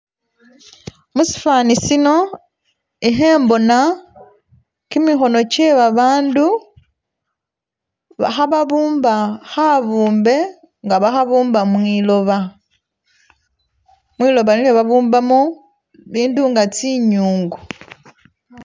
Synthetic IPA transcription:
musi̥faːnisino̞ | iɦe̞ːmbo̞na | kimixo̞no̞ce̞βaβaːndu | βa̰xaβaβuːmbaxaβuːmbe̞ | ŋɡaβaxaβuːmbamwilo̞βa | mwiːlo̞βanilweβaβuːmbamo | βiːnduŋɡat͡siɲuːŋɡu

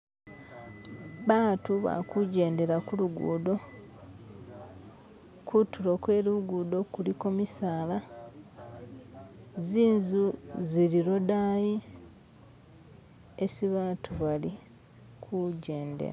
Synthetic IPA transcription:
βaːtuβa̰kuɟe̞ːnde̞ɾakuluɡṵːdo̞ | kʰutulo̞kwe̞ːluɡuːdo̞kuliko̞misaːla | ziːnzuziɾiɾo̞daːji | esiβaːtʰuβali | kʰuɟe̞ːndḛɾa̰

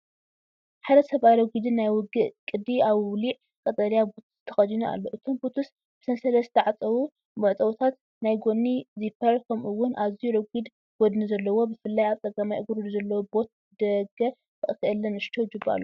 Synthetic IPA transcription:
ħad̪ɐsɐβʔajɾɐɡid̪ɨnːajwʊɡɨʔkʼɨd̪iʔaβwliʕ | kʼɐt̪ʼɐlijabut̪ʰu̥st̪ʰɐxɐd̪inua̰lːo̞ʔɨt̪ʰo̞mbot̪ʰus | b̥ɨ̥sɐnsɐlɐsɨt̪ʰɐʕat͡sʼɐwu | mɐʔt͡s̪ʼɐwt̪ʰat̪ | najɡo̞nːizipʰːɐɾkʰɐmʔuwːʊnʔazijuɾɐɡʷid̪ | ɡ̥ɔd̪nuzɐlːɐwo̞bɨfɨlːajaβt͡s̪ʼɐɡamajʔɨɡuɾud̪uzɐlːɐwobo̞t̪̚ | d̪ɐɡɐ | ɨʔʼkʰʔɨlːɐnɨʃt̪ʰod͡ʒɨbːa̰lːo

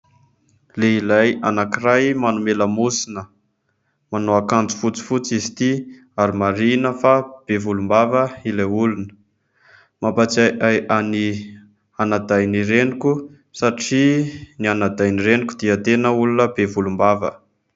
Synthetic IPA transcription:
leilajanakirajmanumeləmusinə | manoakand͡zu̥fut͡si̥fut͡sizi̥t̪i | aɾimaɾinəfab̥evulumbavəilajulunə̥ | mapat͡sajʔajʔani | anad̪ajniɾenikʲu | saʈ͡ʂinianad̪ajniɾenikʲud̪iət̪enəulunəbevulumbavə̰

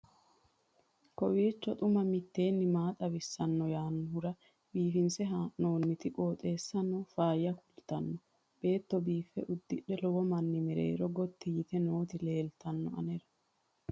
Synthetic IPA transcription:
kɔwiːt͡ʃːɔt̪ʼʊmɐmɪt̪ːe̞ːnːɪmaːt̪ʼɐβɪsːɐnːɔjaːnːɔhʊɾɐ | biːfɪnsɛɦaːʔno̞ːnːɪt̪ɪkʼo̞ːt̪ʼe̞ːsːɐnːɔfaːjɐkʊlt̪ɐnːɔ | b̥e̞ːt̪ːɔbiːfːɛʔʊd̪ːɪɗɛlɔwɔmɐnːɪmɪɾḛːɾɔɡɔt̪ːɪjɪt̪ɛno̞ːt̪ɪle̞ːlt̪ɐnːɔ̰ɐ̰nɛɾɐ

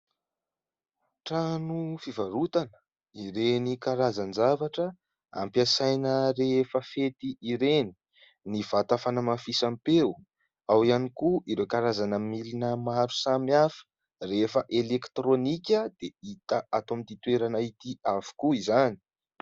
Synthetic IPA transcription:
ʈ͡ʂanufivaɾut̪anə̥ | iɾenikaɾazand͡ʒavaʈ͡ʂə | a̰mpjasajnəɾefəfet̪iʔiɾeni̥ | niv̥at̪afanəmafisampew | awianikuʔiɾewkaɾazanəmilinəmaɾu̥samiafə̥ | refəʔelekt̪ronikʲəd̪eit̪əʔat̪omit̪it̪weɾanait̪iavu̥kuizani̥

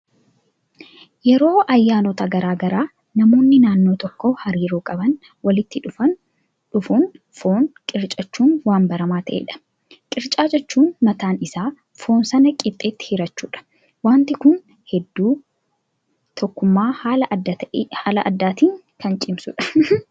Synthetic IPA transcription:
jɛɾo̞ːʔɐjːaːnɔt̪ɐɡɐɾaːɡɐɾaː | nɐmo̞ːnːɪnaːnːo̞ːt̪ɔkːohɐɾiːɾuːkʼɐbɐn | wɐlɪt̪ːɪᶑʊfɐn | ᶑʊfuːn | fo̞ːnkʼɪɾt͡ʃʼɐt͡ʃːuːnwaːmbɐɾɐmaːt̪ʰɐʔḛːᶑɐ̥ | kʼɪɾt͡ʃʼaːd͡ʒɛt͡ʃːuːnmɐt̪aːnɪsaː | fo̞ːnsɐnɐkʼɪt̪ʼːeːt̪ːɪ̥hɪɾɐt͡ʃːuːᶑɐ̥ | waːnt̪ɪkʊn | hɛd̪ːuː | t̪ʰɔkːʊmːaːhaːlɐʔɐhaːlɐʔɐd̪ːaːt̪iːŋ | kɐnt͡ʃʼɪmsʊ̰ᶑɐ̥

